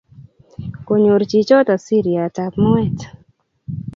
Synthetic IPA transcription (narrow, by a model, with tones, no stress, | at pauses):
ko˨ɲo˨ɾt͡ʃi˨t͡ʃɔ˦tɔ˨si˦ɾi˨a˨ta˨pmɔ˦ɛ˦t